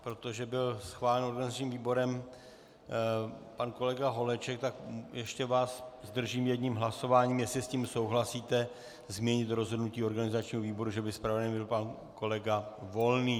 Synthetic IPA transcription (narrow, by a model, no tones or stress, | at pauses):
pɾo̞t̪oʒɛbɪlsxvaːlɛno̞ɾɡanɪzat͡ʃɲiːmviːbo̞ɾɛm | panko̞lɛɡaɦo̞lɛt͡ʃɛkt̪akjɛʃcɛvaːszd̪r̩ʒiːmjɛdɲimɦlaso̞vaːɲiːmjɛslɪsciːmso̞wɦlasiːt̪ɛ | zmjɛɲɪt̪ɾo̞zɦo̞dnuciːo̞ɾɡanɪzat͡ʃɲiːɦoviːbo̞ɾuʒɛbɪspɾavɛnibɪlpan | ko̞lɛɡavo̞lniː